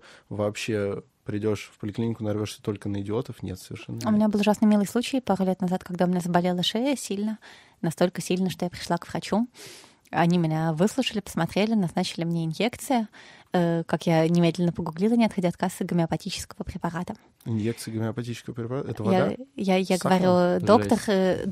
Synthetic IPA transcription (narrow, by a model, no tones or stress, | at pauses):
vɐːpɕːe | pɾʲɪdʲo̞ʂfpəlʲɪklʲinʲɪkʊnɐrvʲoʂsʲə̥t̪o̞lʲkənəɪdʲɪot̪əfnʲḛt̪səvʲɪ̰rʂɛ̰nːʊmʲɪnʲabɨlˠʊʐasnəmʲilˠəjsˠut͡ɕɪjpaɾʊlʲet̪nɐzat̪kaɡd̪aʊmʲɪnʲazəbɐlʲelˠəʂeəsʲilʲnə | nɐst̪o̞lʲkəsʲilʲnəʂt̪o̞japɾʲɪ̥ʂlˠakvrɐt͡ɕu | ɐnʲimʲɪnʲavɨslˠʊʂəlʲɪpə̥smɐt̪ɾʲelʲɪnɐznat͡ɕɪlʲɪmnʲeɪnjekt̪sɨjəəkakjanʲɪmʲed̪lʲɪnːəpəɡʊɡlʲilˠənʲɪɐt̪xɐdʲaɐt̪̚kasəɡʲɪmʲɪɐpɐtʲit͡ɕɪ̥skəvəpɾʲɪpɐɾat̪ə | ɪnjek̚t̪sɨjɡʲəmʲɪɐpɐtʲit͡ɕɪ̥skəvəpɾʲɪpaɾat̪əɛəjajajaɡəvɐɾʲud̪okt̪ər